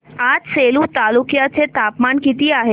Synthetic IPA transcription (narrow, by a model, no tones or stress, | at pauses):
adselut̪alukijat͡set̪apmankit̪iaɦe